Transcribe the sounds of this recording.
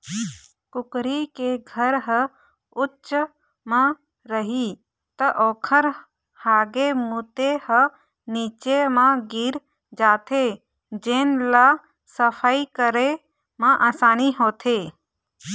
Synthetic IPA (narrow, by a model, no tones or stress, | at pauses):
kʊkɾikeɡʱəɾɦə | ʊtːʃ | mã | ɾəɦi | t̪əʔoːkʰəɾ | haːɡemuːt̪ehə | niːt͡ʃemãɡiɾ | d͡ʒaːt̪ʰe | d͡ʒeːnla | səpʰaikəɾe | mãʔaːsaːniɦoːt̪ʰeː